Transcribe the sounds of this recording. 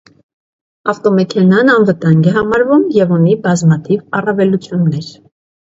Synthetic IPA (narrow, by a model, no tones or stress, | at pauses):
ɑft̪ɔmɛkʰɛnɑnɑnvət̪ɑŋɡɛɦɑmɑɾvumjɛvɔnibɑzmɑt̪ʰivɑrɑvɛlut͡sʰjunːɛɾ